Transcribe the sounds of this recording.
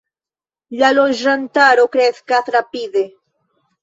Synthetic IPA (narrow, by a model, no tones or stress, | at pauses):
ʎalosɾant̪aɾokɾeθkaθɾapid̪e